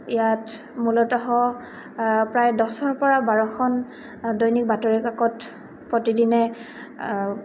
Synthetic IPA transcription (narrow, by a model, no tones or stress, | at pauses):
ijat | mulɔtaɦɔ | pɹajdɔsɔɹpɔɹabaɹɔxʰɔn | dɔjnik̚batɔɹikakɔt | pɹotidinɛ